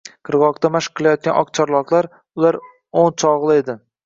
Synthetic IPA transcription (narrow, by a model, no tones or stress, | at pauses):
qʰɨɾʁɒqt̪amaʃqʰːɨlˠajɒt̪̚ɡʲanʔɒqt͡ʃʰɒɾlˠɒqlˠaɾ | ʊlaɾ | ont͡ʃʰɒʁlˠɪe̞d̪ɪ